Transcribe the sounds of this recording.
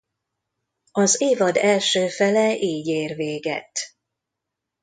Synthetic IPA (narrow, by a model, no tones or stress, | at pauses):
ɒzeːvɒd̪ɛlʃøːfɛlɛʔeːɟeːrveːɡɛ̰t̪ː